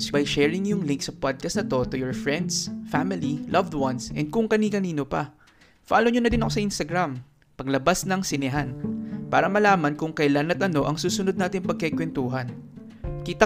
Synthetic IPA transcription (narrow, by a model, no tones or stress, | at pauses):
sbɐjʃɛːɹɪŋjʊŋlɪŋk̚sɐpad̪̚kɐst̪ɐt̪o̞t̪ʊjɔɹfɹɛnd̪sfamɪlilʔɐvd̪wɐnsʔɛ̰nd̪̚kʊŋkɐnikɐniːno̞pɐ̰ | fa̰ːloɲonɐd̪ɪnɐkosɐʔinst̪ɐɡɾam | pɐɡlɐbasnɐŋsɪnɪɦanpa̰ːɾɐmɐlaːmɐnkʊŋkɐjlanɐt̪̚ʔɐno̞ʔɐŋsuːsʊnod̪naːt̪ɪŋpɐɡ̚kɛkwɛnt̪uːɦɐn | kiːt̪ɐ